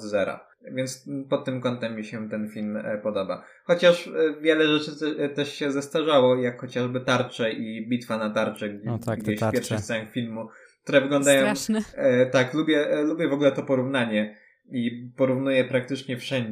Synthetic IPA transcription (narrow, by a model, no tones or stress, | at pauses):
zɛɾa̰ | vʲjɛnt̪spɔt̪ːɘmkɔnt̪ɛmːiɕɛt̪ɛnfʲilmpɔd̪ɔba̰ | xɔt͡ɕaʂvʲjɛlɛʐɛt͡ʂɘt̪ɛʂɕɛzast̪aʐawɔjakxɔt͡ɕaʐbɘt̪aɾt͡ʂɛʔibʲit̪fanat̪aɾt͡ʂɛɡd͡ʑeɕfpɛɾfʂɨst̪sɛxfʲilmukkt̪uɾɛvɘɡlɔ̃nd̪ajɔ̃w̃ | t̪aklubʲjɛlubʲjɛvɔɡulɛt̪ɔpɔɾuvnaɲɛ | ipɔɾuvnujɛpɾak̚t̪ɘt͡ʂɲɛfʂɛɲd͡ʑ